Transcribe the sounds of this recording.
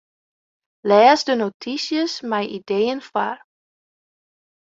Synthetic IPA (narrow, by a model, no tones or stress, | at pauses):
lɛːsdənotʰisjəsmɛjʔidejənfar